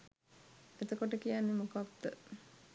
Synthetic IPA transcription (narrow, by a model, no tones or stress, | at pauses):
et̪əkoʈəkijanːemukakd̪ə